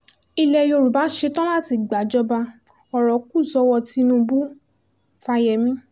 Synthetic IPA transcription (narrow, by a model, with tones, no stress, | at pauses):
i˧lɛ˧jo˧˨ɾu˨ba˨˦ʃe˧tɔ̃˦la˦˨ti˧ɡ͡ba˨˦d͡ʒɔ˦ba˧ | ɔ˨ɾɔ˨˦ku˦˨sɔ˧wɔ˧ti˧nũ˧bu˦ | fa˧jɛ˨mĩ˦